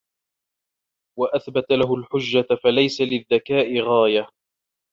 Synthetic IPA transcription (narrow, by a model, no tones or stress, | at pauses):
waʔaθbat̪alaɦʊlħʊd͡ʒːafalajsalɪðːakaːʔɪɣaːja